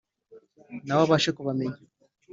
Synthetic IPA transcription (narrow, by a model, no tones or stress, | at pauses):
nawaβaʃekuβameɲ